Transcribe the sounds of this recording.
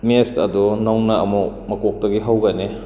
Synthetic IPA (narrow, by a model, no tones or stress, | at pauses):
mestɐdunawnɐɐmumɐkok̚dɐɡiɦawɡɐne